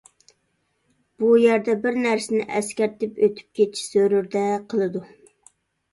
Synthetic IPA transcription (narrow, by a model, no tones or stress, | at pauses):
b̥ujæɾd̪ɛbɪɾnæɾsɪnɪ̰ʔɛskʲæɾt̪ɪpøt̪ʰy̥p̚kʲʰet͡ʃʰːi̥søɾyɾd̪ɛqʰəlˠɨd̪u